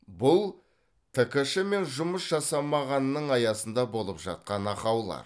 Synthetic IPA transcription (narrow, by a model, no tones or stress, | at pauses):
bʊlˠ | t̪ʰɪkʲɪʃɪme̞nʒʊməsʒɑsɑmɑʁɑnːəɴɑjɑsənd̪ɑbo̞lˠəpʒ̥ɑ̰t̪̚qɑnɑqɑwlˠɑ̰ɾ